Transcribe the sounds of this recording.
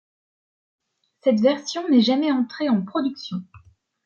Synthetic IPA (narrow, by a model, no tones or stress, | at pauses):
sɛt̪vɛʁsjɔ̃nɛʒamɛɑ̃t̪χeɑ̃pχɔd̪yksjɔ̃